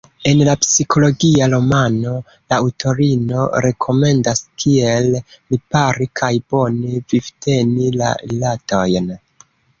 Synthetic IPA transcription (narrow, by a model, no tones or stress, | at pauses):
e̞nlapsikʰo̞lo̞ɡiaɾo̞mano̞ | lautʰo̞ɾino̞̰ɾe̞kʰo̞me̞ndaskʰiellipaɾikʰajbo̞nevivte̞nila̰ɾilato̞jn